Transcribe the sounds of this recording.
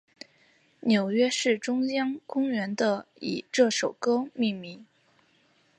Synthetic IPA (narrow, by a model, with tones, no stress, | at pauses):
njo˨˩ʊɥɛ˥ʂɻ̩˥˩ʈ͡ʂʊ˥ŋjɑ˥ŋkʊ˥ŋɥɛ˧˥nd̪ə˧ḭ˨˩ʈ͡ʂɤ˥˩ʂo˨˩ʊkɤ˥mi˥˩mi˧˥